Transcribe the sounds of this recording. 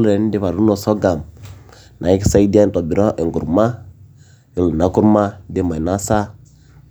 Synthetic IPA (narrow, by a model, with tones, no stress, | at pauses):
lɾɛ˨n˦de˦βa˨ɾu˦nɔ˨sɔ˦ɡa˨m | nʔa˨i˦ki̥˦sa˦i˦di˦a˦ntɔ˨bi˨ɾɔ˦ʔe˨ŋɡu˨ɾma˦ | i˦lu˨na˨˦ku˦ɾma˦de˦ma˨i˨na˦sa˦